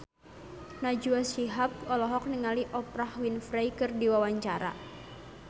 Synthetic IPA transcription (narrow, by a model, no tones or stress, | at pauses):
nad͡ʒuasiɦap̚ɔlɔɦɔk̚niŋaliʔɔpɾahwinfɾajkɨrdiwawaɲt͡ʃaɾa̰